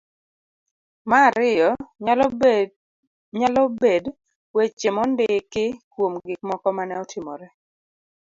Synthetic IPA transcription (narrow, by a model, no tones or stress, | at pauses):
maːɾɪjɔ | ɲalɔbed | wet͡ʃemɔndɪkɪkwomɡɪk̚mɔkɔmanɛɔtʰɪmɔ̰ɾɛ